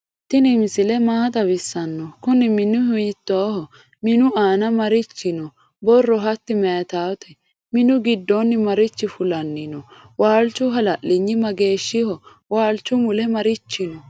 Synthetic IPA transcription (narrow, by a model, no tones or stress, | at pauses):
t̪ːɪnɪmsɪlɛmaːt̪ɐbɪsːɐnːɔkʊnɪmɪnʊhʊjɪt̪ːoːhɔ | mɪnʊaːnɐmɐɾɪt͡ʃːɪnɔ | bɔrːɔɦɐt̪ːɪmɛɐt̪aːwt̪ʰɛ | mɪnʊɡɪd̪ːonːɪmɐɾɪt͡ʃːɪfʊlɐnːɪnɔ | waːlt͡ʃːʊɦɐlɐʔlɪɲːɪmɐɡe̞ːʃːɪhɔ | waːlt͡ʃːʊmʊlɛmɐɾɪt͡ʃːɪnɔ